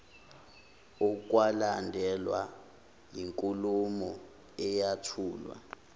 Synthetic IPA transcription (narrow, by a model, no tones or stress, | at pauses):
uk̬ʼwalandʱɛlwa̰ | jiŋkʼulumɔ | ɛjatʰuːlwa̰